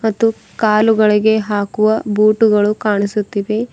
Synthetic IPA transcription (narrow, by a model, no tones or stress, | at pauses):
mɐt̪ːu | kaːluɡɐɭiɡe̞ɦaːkuʋɐbuːʈuɡɐɭukaːɳisut̪ːiʋe